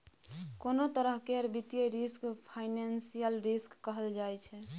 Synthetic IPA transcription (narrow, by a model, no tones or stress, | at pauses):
konot̪əɾəɦkeəɾbit̪ijeɾiskpʰaɪnansijəlɾiskːəɦəld͡ʒajt͡ʃʰɛ